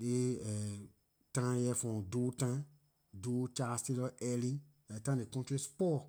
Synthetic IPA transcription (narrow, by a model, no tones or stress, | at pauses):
leɛ | tãjɛfɔ̃dutã | dut͡ʃastelɔɛlĩ | ɛtãdekɔ̃ntɾispɔ